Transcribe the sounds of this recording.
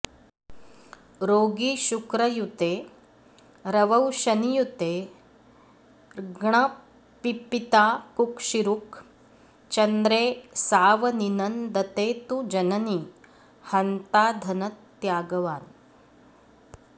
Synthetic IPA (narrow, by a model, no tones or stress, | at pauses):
ɾoːɡiʃukɾɐjut̪eː | ɾɐʋɐwʃɐnijut̪eː | ɡɳɐ | pipit̪aːkukʃiɾuk | t͡ʃɐnd̪ɾeːsaːʋɐninɐnd̪ɐt̪eːt̪ud͡ʒɐnɐni | hɐnt̪aːd̪ʱɐnɐt̪ːjaːɡɐʋaːn